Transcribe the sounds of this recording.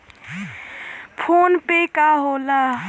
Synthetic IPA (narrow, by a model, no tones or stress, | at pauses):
pʰonpekaɦola